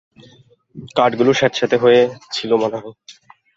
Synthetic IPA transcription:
kaɾʈɡuloʃɛɾt̪ʃat̪eɦojet͡ɕʰilomanaɦ

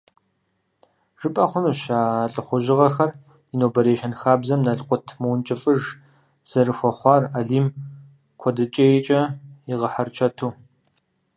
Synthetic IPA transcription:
ʐ̥ɨpʼɐqʷʊnuːʃaːɬʼɨχʷʊʒɪʁɐxɐr | inoːbɐɾeːʃɐnxaːbzɐmnɐɮqʷʊtʰmɨwnt͡ʃʼɪfʼɨʒ | z̥ɐrɨxʷɔχʷɑːraɮiːm | kʷʰɔdɨt͡ʃʼeːjt͡ʃʼɐiʁɐħɐrt͡ʃʰɐtʰuː

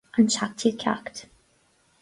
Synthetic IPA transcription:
ʔə̃nt͡ʃʰak̚tʰid̚kʰa̰kt

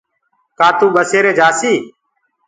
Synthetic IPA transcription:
kaːt̪uːɓəseːɾeːd͡ʒaːsiː

